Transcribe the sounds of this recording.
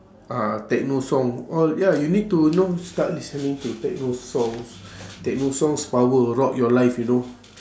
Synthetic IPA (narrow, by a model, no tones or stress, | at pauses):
ʔãt̪ɛk̚nosɔ̃ŋɔljajunid̚tunostatlisənĩŋt̪ut̪ɛk̚nosɔ̃ŋst̪ɛk̚nosɔ̃ŋspawəɹɔʔjɔlajfjuno